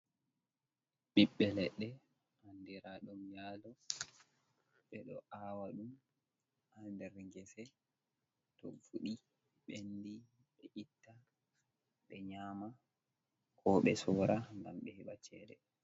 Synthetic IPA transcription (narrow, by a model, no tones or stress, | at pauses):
ɓiɓːɛlɛɗːɛ | ʔandiɾaɗɔmjaːlɔ | ɓɛɗɔʔawaɗum | andɛɾŋɡɛsɛ | tɔ̰fuɗi | ɓendi | ɓɛʔitːa | ɓɛɲaːma | kʰɔɓɛsɔɾaŋɡamɓɛhiɓat͡ʃɛɗɛ